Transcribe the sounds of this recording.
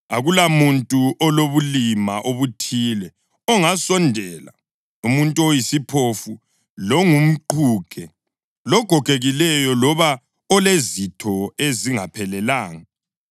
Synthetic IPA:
aɣulamuntʼuʔɔloβulimaʔoβutʰiːlɛ | ɔŋasɔndʱɛːla̰ | umuntʼuojisipʰofu | lɔŋum̩ǃuːɡ̥ʱɛ | lɔɡ̥ʱɔɡ̥ʱeɣilɛjɔlɔβa | ɔlezitʰɔeziŋapʰɛlɛlaːŋa

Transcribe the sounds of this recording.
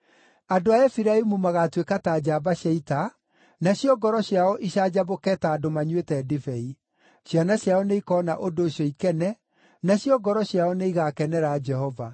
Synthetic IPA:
adoaɛfiɾaimumaɣatwekataːd͡ʑabaɕjaita | naɕjɔɡɔɾɔɕjaɔʔiɕad͡ʑabokɛːtaːdomaɲwetɛːdifɛi | ɕjanaɕjaɔneikɔːnaʔodoːɕjɔikɛnɛ | naɕjɔɡɔɾɔɕjaɔneiɣakɛnɛɾad͡ʒɛɦɔva

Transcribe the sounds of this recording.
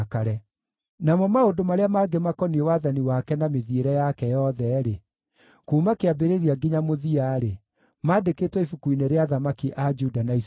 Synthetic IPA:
kaɾɛ | namɔmaodomaɾeamaːɡemakɔniewaðaniwakɛnameðieɾɛjakɛjɔðɛɾe | kuːmakeabeɾeɾiaɡiɲamoðiaːɾe | maːdeketwɛifukuineɾeaðamakiʔad͡ʒudanais

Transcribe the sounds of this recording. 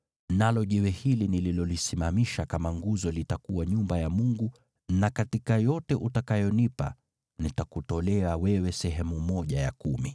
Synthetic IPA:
nalɔʄiwɛhilinililɔlisimamiʃakamaŋɡuzɔlitakuwaɲumbajamuŋɡu | nakatikajɔtɛʔutakajɔnipa̰ | nitakutɔlɛawɛwɛsɛɦɛmumɔʄaja̰kumi

